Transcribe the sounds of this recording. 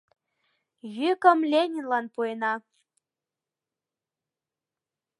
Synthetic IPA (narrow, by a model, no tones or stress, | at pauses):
jykə̆mlʲenʲinlɑnpuenɑ